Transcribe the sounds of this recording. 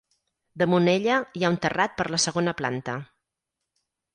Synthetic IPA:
d̪əmuneʎəiaunt̪ərat̪̚pəɾləsəɣonəpla̰nt̪ə

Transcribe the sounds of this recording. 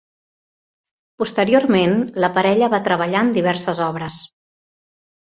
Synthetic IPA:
pust̪əɾiormenləpəɾɛʎəβat̪ɾəβəʎaənd̪iβ̞ɛɾsəzɔβɾəs

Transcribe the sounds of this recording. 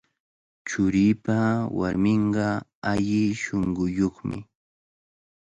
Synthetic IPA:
t͡ʃʊɾiːpawa̰ɾmɪɴɢɑaʎɪʃoŋɢʊjoχmɪ̰

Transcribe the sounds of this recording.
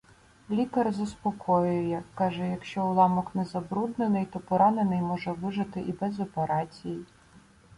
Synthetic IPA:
lʲikɐrzɐspɔkʰɔjʊjɛkɑʒɛjɐkʃt͡ʃɔʊlˠɑmɔknɛzɐbɾud̪nenɪjt̪ɔpɔɾɑnenɪjmɔʒɛʋɪʒɪt̪ɪʔibɛzɔpeɾɑt͡sʲiji

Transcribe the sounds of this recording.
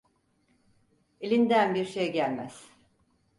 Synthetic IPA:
elʲind̪ænbiɾʃejɟælʲmæ̰z̥

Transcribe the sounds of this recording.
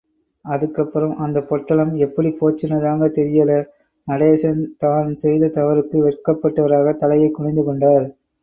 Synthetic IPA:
ɐðɯkːɐpːɯɾɐmʔɐnd̪ɐpːɔʈːɐɭɐmɛpːɐɽipoːt͡ʃːɪnɐðaːŋɡɐt̪ɛɾɪjɐlɐ | nɐɽeːsɐnt̪aːnsɛjðɐt̪ɐʋɐɾɯkːɯʋɛrkɐpːɐʈːɐʋɐɾaːɣɐt̪ɐlɐjɐɪkːʊɽɐɪnd̪ɯkɔɳɖaːɾ

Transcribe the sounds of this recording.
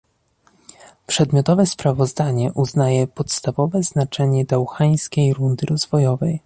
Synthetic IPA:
pʂɛd̪mʲjɔt̪ɔvɛspɾavɔzd̪aɲɛʔuznajɛpɔt̪st̪avɔvɛznat͡ʂɛɲɛd̪awxaj̃skʲejɾund̪ɘɾɔzvɔjɔvɛj

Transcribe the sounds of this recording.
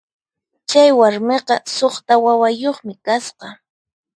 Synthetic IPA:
t͡ʃajwaɾmeqɑsoχt̪awawajoχmɪkasqɑ

